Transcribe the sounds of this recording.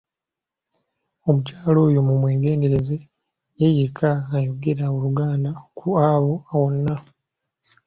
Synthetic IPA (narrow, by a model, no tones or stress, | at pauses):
o̞mucaːlo̞ːjomumweːɡe̞ːnde̞ɾeze̞ | jejekʰaːjoɡe̞ɾaoluɡaːndakʰuaβo̞awo̞nːa